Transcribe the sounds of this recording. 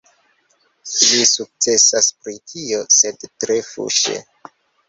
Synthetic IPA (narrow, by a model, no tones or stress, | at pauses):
ʃisuk̚t͡se̞saspɾitʰio̞se̞dtɾefṵʃḛ